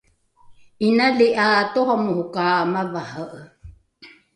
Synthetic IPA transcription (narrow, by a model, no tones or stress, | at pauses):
inaliʔaːt̪ohamuhukaːmavahəʔə